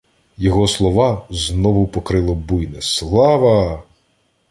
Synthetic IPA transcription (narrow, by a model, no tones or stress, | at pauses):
jɔɦɔslˠɔʋɑznɔʋʊpɔkɾɪlˠɔbujnɛslˠɑʋɐ